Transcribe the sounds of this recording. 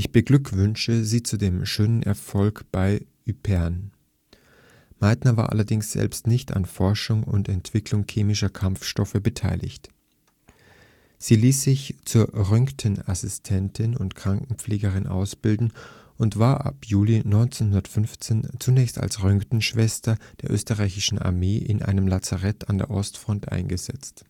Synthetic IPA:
ʔɪçb̥əɡlʏkv̥ʏnʃəziːt͡sudeːmʃøːnənʔɛ̰ɐfɔlkb̥aɪ | ypʰɛɐn | maɪtnɐva̰ːɐʔa̰lɐdɪŋsz̥ɛ̰lpstnɪçta̰nfɔɐʃʊŋʊ̰ntɛntv̥ɪkʰlʊŋkʰeːmɪʃɐkʰamfʃtɔfəbətʰa̰ɪlʔɪ̰çt | z̥iːliːsz̥ɪçt͡suːɐʁʏŋktʰənasɪstʰɛntʰɪnʊntkʁ̥aŋkŋ̩pp͡fleːɡəʁɪnʔa̰ʊsb̥ɪldn̩ | ʔʊntv̥aːɐʔa̰pjuːlinɔʏnt͡seːnɦʊndɐtfʏnft͡seːnt͡sunɛːçsta̰lsʁʏŋktn̩ʃv̥ɛstɐd̥eːɐʔø̰ːstəʁaɪçɪʃn̩a̰ɐmeːʔɪnʔa̰ɪnəmlat͡saʁɛtʰandḛːɐʔɔstfʁ̥ɔntʔa̰ɪnɡəzɛ̰t͡st

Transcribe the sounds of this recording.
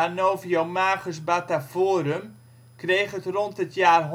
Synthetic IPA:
anoːviomaːχəsbatafoːəɾəm | krejχətrɔntətjaːrɦ

